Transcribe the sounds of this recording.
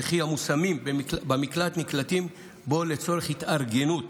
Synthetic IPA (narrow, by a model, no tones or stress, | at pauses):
χiamusamimbbamiklat̪niklatim | bo̞le̞t͡so̞ʁeχhit̪aʁɡenut